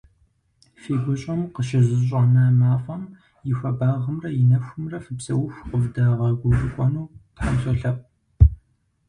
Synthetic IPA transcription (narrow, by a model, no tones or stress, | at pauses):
feːɡʷʊɕʼɐmqəʃɪzɨɕ̬ʼɐnɐmaːfɐm | jɪxʷɐbaːʁəmrɐjɪnɐxʷʊmrɐfɨbsɐwʊxʷqəvdaːʁɐɡʷʊzɨkʷʼɔnuːtħamsɐɬɐp̚ʼ